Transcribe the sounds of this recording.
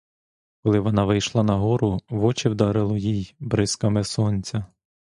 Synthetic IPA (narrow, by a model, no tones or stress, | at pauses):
kɔlˠɪʋɔnɑʋɪjʃlˠɑnɐɦɔɾʊʋɔt͡ʃɪwd̪ɐɾɪlˠɔjijbɾɪskɐmɛsɔnʲt͡sʲɐ